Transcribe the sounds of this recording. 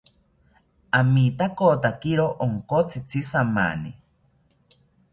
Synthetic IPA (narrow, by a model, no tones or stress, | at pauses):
amit̪akot̪akiɾoʔoŋkot͡sʰit͡sʰisama̰ni